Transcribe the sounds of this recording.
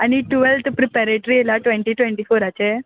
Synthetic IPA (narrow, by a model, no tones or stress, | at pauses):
ɐniʈuʋɛlt̪pɾipɛɾeʈɾiɪlaʈʋeɳʈiʈʋeɳʈifoːɾaːt͡ʃe